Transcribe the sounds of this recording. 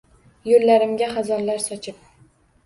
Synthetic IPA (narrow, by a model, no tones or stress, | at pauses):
jollːaɾɪmɡʲaχazɒɾlaɾsɒt͡ʃʰɪp̚